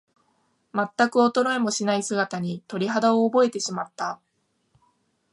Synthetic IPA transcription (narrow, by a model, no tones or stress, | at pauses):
mat̪ːakɯ̟o̞t̪o̞ɾo̞emo̞ɕinaisɨɡat̪aɲ̟it̪o̞ɾʲiɦad̪ao̞ːbo̞e̞t̪e̞ɕimat̪ːa